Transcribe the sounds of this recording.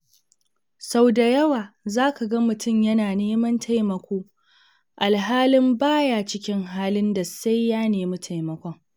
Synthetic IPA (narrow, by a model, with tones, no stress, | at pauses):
sa˦wda˨jɐ˦waː˨zaː˦ka˨ɡɐ˦mʊ˨tʊ˦˨mjɐ˦naː˨neː˦mɐ˦ntʰa˦jmɐ˨kʷoː˦ | ʔa˨lɦaː˦lɪ˦mbaː˦jaː˨t͡ʃɪ˦kʲɪ˦ŋɦaː˦lɪ˦nda˨sa˦jːaː˦neː˨mu˦tʰa˨jmɐ˨kʷɔ˦ŋ